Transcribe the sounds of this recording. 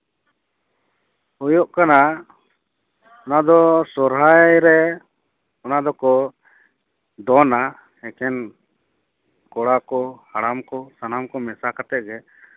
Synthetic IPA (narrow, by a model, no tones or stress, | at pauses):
ɔjɔʔkana | ɔnad̪ɔsɔɾɦajɾɛ | ɔnad̪ɔkɔ | d̪ɔna | hɛkɛn | kɔɽakɔhaɽamkɔsanamkɔmɛsakat̪ɛʔ̚ɡɛ